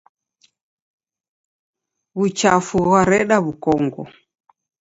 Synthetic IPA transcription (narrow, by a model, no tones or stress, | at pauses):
βut͡ʃafuɣaɾɛɗaβukɔŋɡɔ̰